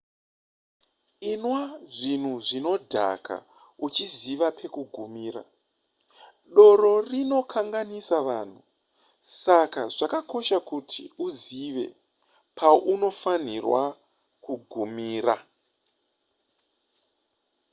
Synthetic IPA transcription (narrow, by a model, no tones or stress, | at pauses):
inwaʐin̤uʐino̞dʱa̰kʰa̰ | ut͡ʃiziʋapʰe̞kuɡʱumiːɾa̰ | ɗo̞ɾo̞rino̞kʰaŋɡanisaʋan̤u | sakaʐakako̞ʃakutʰḭuziʋe̞̰ | pʰaʔuno̞fanirwa̰ | kuɡʱumiːra